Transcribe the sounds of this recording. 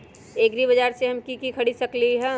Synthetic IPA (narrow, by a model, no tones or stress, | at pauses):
eːɡɾibɐd͡ʒaːɾseɦɐmkikikʰɐɽisɐkliɦɛ̃